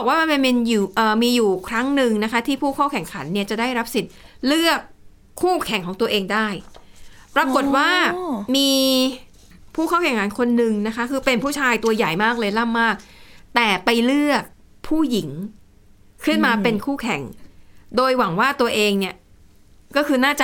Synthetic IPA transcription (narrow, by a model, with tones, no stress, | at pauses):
bɔː˨˩k̚waː˥˩ma˧nma˧npe˧njuː˨˩ʔəː˨˩miː˧juː˨˩kʰɾa˦˥ŋnɯ˨˩ŋna˦˥kʰa˦˥t̪ʰiː˥˩pʰuː˥˩kʰaː˥˩wkʰɛ˨˩ŋkʰa˩˦nːi˥˩ɐt͡ɕa˨˩daː˥˩jɾa˦˥p̚si˨˩t̪̚lɯ˥˩əkʰː | uː˥˩kʰɛ˨˩˦ŋkʰɔː˩˦ŋt̪u˧ɐʔeː˧ŋdaː˥˩j | pɾa˧ko˨˩t̪̚waː˥˩miː˧ | pʰuː˥˩kʰaː˥˩wkʰɛ˨˩ŋkʰa˩˦nkʰo˧nːɯ˨ŋna˦˥kʰa˦˥kʰɯː˧pe˧npʰuː˥˩t͡ɕʰaː˧jt̪u˧ɐja˨˩jmaː˥˩k̚lɤː˧jla˥˩mːaː˥˩k̚t̪ɛː˨˩pa˧jlɯ˥˩ək̚ | pʰuː˥˩ji˩˦ŋ | kʰɯ˥˩nmaː˧pe˧nkʰuː˥˩kʰɛ˨˩˦ŋdoː˧jwa˩˦ŋwaː˥˩t̪u˧ɐʔeː˧ŋni˥˩ɐ | kɔː˥˩kʰɯː˧naː˥˩t͡ɕa